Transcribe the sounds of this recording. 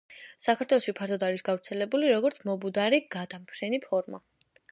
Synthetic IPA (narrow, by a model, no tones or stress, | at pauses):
sakʰaɾt̪ʰwɛlˠɔʃipʰaɾtd̪ʰɔd̪aɾisɡavɾt̪sʰɛlɛbuliɾɔɡɔɾt̪ʰmɔbud̪aɾiɡad̪ampʰɾɛnipʰɔɾma̰